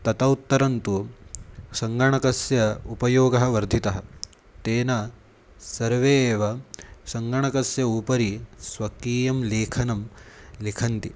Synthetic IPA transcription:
t̪ɐt̪ɐut̪ːɐɾɐnt̪u | sɐŋɡɐɳɐkɐsjɐupɐjoːɡɐɦɐʋɐɾd̪ʱit̪ɐɦɐ̆ | t̪eːnɐ | sɐɾʋeːʋɐsɐŋɡɐɳɐkɐsjɐupɐɾisʋɐkiːjɐmleːkʰɐnɐmlikʰɐnt̪i

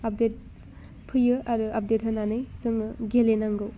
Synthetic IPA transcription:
ap̚det̚ | pʰɯjɯʔaɾuʔap̚detɦananɯjzɯŋɯɡelenaŋɡɯw

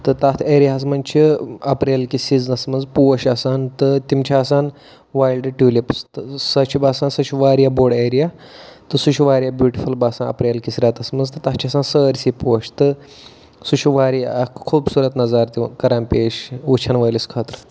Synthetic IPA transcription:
t̪ɨt̪at̪ʰeːɾijaɦɐs̬mɐnt͡ʃʰiɐpɾelkisid͡znɐsmɐnd͡zpuɕɐsaːnt̪ɨt̪imt͡ʃʰaːsaːn | ʋaːjlɖʈuːlipst̪sɐt͡ʃʰibaːsaːnsɐʃʰiʋaːɾjaboːɖeɾijat̪ɨsuʃʰuʋaːɾijabjuːʈifulbaːsanɐ̰pɾʲeːlkisɾʲaːt̪ɐsmɐzt̪ɨt̪aɦt͡ʃʰiɐsansəɾʲsipuʃt̪ɨ | suʃiʋaːɾijakʰuːbsuːɾɐt̪nɐzaːɾt̪ikɐɾampeːʃut͡ʃʰɐnʋəjliskʰaːt̪ɾ

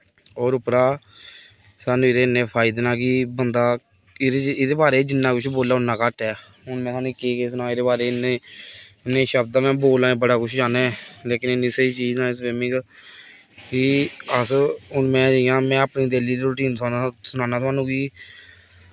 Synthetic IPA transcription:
ɔːɾʊpɾaː | saːnũːɪɾeːnːẽːpʰaːɪd̪nãːkiːbənd̪aː | ɾeɪdeːbaːɾeːd͡ʒɪnːãːkʊt͡ʃʰboːlːaːʊnːãːkaʈɛː | ɦʊnmɛ̃ːsaːnĩːkeːkeːs̬ʊnãːɪɾeːbaːɾeːneː | nːẽːʃəbd̪aːmɛ̃ːboːlãːẽːbəɽaːkʊt͡ʃʰd͡ʒaːnɛːleːkɪnɪnːisəiːt͡ʃiːd͡ʒnãːsʋeːmɪ̃ŋɡ | kɪəsɦʊnmɛ̃ːd͡ʒəɪjãːmɛ̃ːapniːd̪eliːɾɾoːʈiːnt̪ʰːnasʊnaːnaːt̪ʰaːnũːkiː

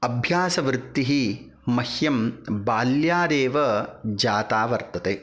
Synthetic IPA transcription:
ɐbʱjaːsɐʋɾɪt̪ːiɦi | mːɐhjɐmbaːljaːɾeːʋɐd͡ʒaːt̪aːʋɐɾt̪ɐt̪eː

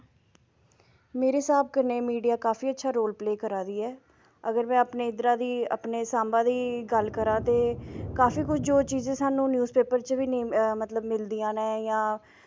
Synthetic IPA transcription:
meːɾeːsaːb̚kəɾneːmiːɖijaːkaːfiːətːʃʰaːɾoːlpleːkəɾaːd̪iːɛː | əɡəɾmɛ̃ːəpneːɪd̪ɾaːd̪iːə̰pneːsaːmbãːd̪iːɡəlkəɾãːt̪eːkaːfiːkʊt͡ʃʰd͡ʒoːt͡ʃiːzẽːsaːnũːnjuːzpeːpəɾt͡ʃʋiːnĩmət̪ləbmɪld̪iːãːnɛ̃ːjãː

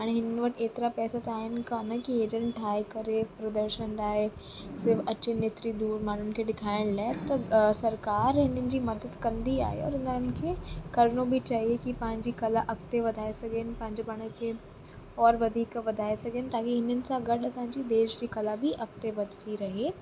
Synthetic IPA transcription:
ɦaːɽ̃eɦɪnənɪ̆ʋɐʈʰeːt̪ɪɾapɛːsat̪aːɦɪnɪ̆kaːnəkieːd͡ʑə̃nɪʈʰaːikɐɾepɾɐd̪əɾʃənlaːɦe | sɪɾfɐt͡ɕeneːt̪ɾid̪uːɾmaːn̤ʊnɪ̆kʰeːɗɪkʰaːɪɽ̃laːɪt̪ɐsɐɾkaːɾɦɪnənɪ̆d͡ʑiːmɐd̪əd̪kɐ̃nd̪ia̰ːɦḛɔ̰ːɾɪnənɪ̆kʰeːkɐɾnobɪt͡ɕaːɦiekipɐ̃ɦɪ̃ɲd͡ʑikɐlaʔɐkt̪eʋɐd̪ʱaːesɐɡʱenɪ̆pɐ̃ɦɪ̃ɲd͡ʑopɐɽ̃əkʰeː | ɔːɾʋɐd̪ʱiːkʋɐd̪ʱaːesɐɡʱenɪ̆t̪ãːkiɦɪnənɪ̆sãɡɐɗɐsãɲd͡ʑid̪eːʃd͡ʑiːkɐlabʱiʔɐkt̪eʋɐd̪ʱɪt̪ʰiɾɐɦeː

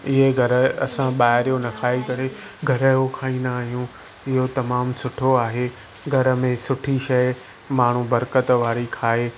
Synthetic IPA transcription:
ɪɦeɡʱɐɾə̆ɐ̰sãɓaːɦɪɾijonɐkʰaːikɐɽeɡʱɐɾəokʰaːĩːnd̪aːɦijũ | ɪɦot̪ɐmaːmsʊʈʰoaːɦeː | ɡʱɐɾə̆mẽsʊʈʰiʃɐj | maːɳ̤ubɐɾkət̪ʋaːɾikʰaːɦeː

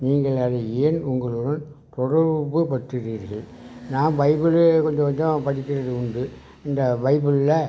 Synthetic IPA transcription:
niːŋɡɐɭɐðeeːnʊŋɡɐɭɯɽɐm | t̪ɔɽɐɾbɯpɐʈːɪɾiːɾɣɐɭ | naːmʋɐɪbɪɭɯkɔɲd͡ʒɔ̃ʋɐɲd͡ʒɐ̃pɐɽɪkʲːɪɾɐðɯʊɳɖɯ | ɪnd̪ɐʋɐɪbɯɭlːɐ

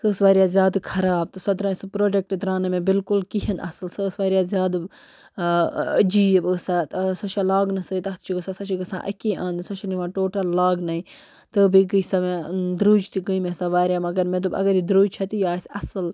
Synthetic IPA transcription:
səːsʋaːɾijaːzʲjaːd̪kʰɐɾaːb̚t̪ɨsɐd̪ɾãsɨpɾoːɖek̚ʈd̪ɾaːnɐmẽbɪlkulkiɦɐnɐ̰sɨlsəːsʋaːɾijaːzʲjaːd̪ | əd͡ʒiːbəsat̪sɐt͡ʃʰalaːɡnɐsəːt̪ɐt̪t͡ʃʰiɡɐsasɐt͡ʃʰiɡɐsã̰ːʔɐ̰kẽʔɐnd̪sɐʃʰɐliʋãːʈoːʈɐlːaːɡnɐĩ | t̪ɨbiɡəisɐmed̪ɾuːd͡ʒt̪ʰiɡəimẽsaʋaːɾjamɐɡɐɾmẽt̪̬ubɐ̰ɡɐɾid̪ɾuːd͡ʒt͡ʃʰɐt̪ijaːsɐsɐl

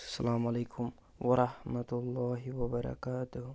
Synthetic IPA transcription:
salaːmalajkʰʊm | wɑɾˤɑhmat̪ʊlˠˤːɑːɦɪwabaɾˤɑ̰kaːt̪ʊh

